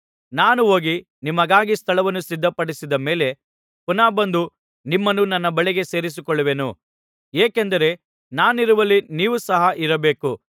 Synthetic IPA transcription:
naːnuo̞ːɡi | nimɐɡaːɡist̪ʰɐɭɐʋɐnːusid̪ʱːɐpɐɽisid̪ɐme̞ːle̞ | punaːbɐnd̪u | nimːɐnːunɐnːɐbɐɭiɡe̞se̞ːɾis̬ikɔɭːɐʋe̞nṵ | eːkend̪ɐɾe̞ | naːniɾuʋɐlːiniːʋusɐɦɐʔiɾɐbe̞ːku

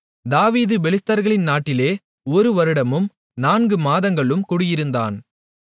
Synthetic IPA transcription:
d̪aːʋiːðɯbɛlɪt̪ːɐɾɣɐɭɪnnaːʈːɪleː | ɔɾɯʋɐɾɯɽɐmɯm | naːnɡɯmaːðɐŋɡɐɭɯmkʊɽɯjɪɾɯnd̪a̰ːn

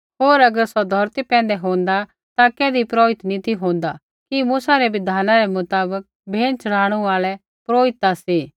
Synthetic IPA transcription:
ɦoːɾɐɡəɾsɔd̪ʱɔɾt̪ipɛ̃ːn̆d̪ɛɦõːnd̪a | t̪akɛːd̪ipɾoːɪt̪nĩt̪ʰiɦõːnd̪a | kimuːsaɾɛʋɪd̪ʱaːnaɾɛmʊt̪aːbək̚bʱeːnt͡ʃɐɽ̤aːɽ̃uaːlɛ | pɾoːɪt̪ːasiː

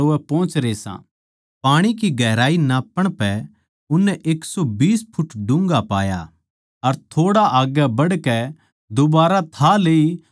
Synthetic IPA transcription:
oɛpɔ̃ːt͡ʃɾeːsã̰ː | paːɽ̃ikiɡʱɛːɾaːinaːpɐɽ̃pɛ | ʊnːɛʔeːksɔbiːspʰʊʈɖʊ̃ŋɡapa̰ːja̰ | ɐɾt̪ʰoːɽaʔaːɡɛbɐɽkɛ | d̪ʊbaːɾat̪ʰaleːi

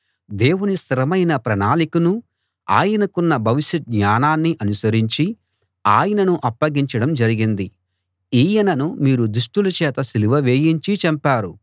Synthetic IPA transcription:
d̪eːwunist̪ʰɐɾɐmɐjnɐpɾɐnaːlikunu | a̰ːjɐnɐkunːɐbʱɐʋiʃɐt̪̚ɲaːnaːnːiʔɐnusɐɾiɲt͡ʃi | aːjɐnɐnuʔɐpːɐɡiɲt͡ʃɐɽɐmd͡ʒɐɾiɡind̪i | iːjɐnɐnumiːɾud̪ɾuʂʈulɐt͡ʃɛːt̪ɐsiliʋɐʋe̞ːjiɲt͡ʃit͡ʃɐmpaːɾu

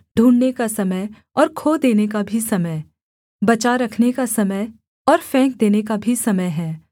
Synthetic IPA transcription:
ɖʱũːɳnekasɐməj | ɔːɾkʰoːd̪eːnekabʱisɐməj | bɐt͡ʃaɾɐkʰnekasɐməj | ɔːɾfɛ̃ːŋk̚d̪eːnekabʱisɐməjɦɛː

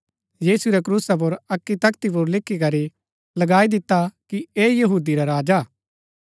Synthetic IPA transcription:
jiːsuɾɛk̬ɾuːsap̬ʊɾɐkːit̪ɐkt̪ip̬ʊɾlɪkʰːikɐɾi | lɐɡaːid̪ɪt̪ːakieːjɐɦuːd̪iɾaɾaːd͡ʒaː

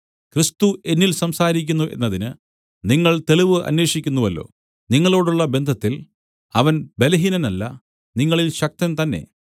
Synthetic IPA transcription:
kɾist̪uʔe̞nːilsɐmsaːɾikʲːunːuʔe̞̰nːɐðinɨ | niŋːɐɭt̪e̞ɭiʋɨʔɐ̰nwe̞ːʂikʲːunːuʋɐlːo̞̰ː | niŋːɐɭo̞ːɽuɭːɐbe̞nd̪ʱɐt̪ːil | ɐʋɐnbe̞lɐɦinɐnɐlːɐ | niŋːɐɭilɕɐk̚t̪ɐnt̪ɐnːe̞̰

